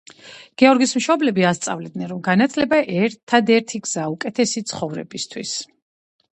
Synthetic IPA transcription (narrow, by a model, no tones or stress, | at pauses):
ɡ̥ɛɔɾɡismʃɔblɛbiast̪sʼa̰vlɛd̪nɛnɾɔmɡanat̪ʰlɛbaʔɛɾt̪ʰːad̪ɛɾt̪ʰiɡz̥aukʼɛt̪ʰɛsit̪sʰχɔvɾɛ̰bist̪ʰwḭs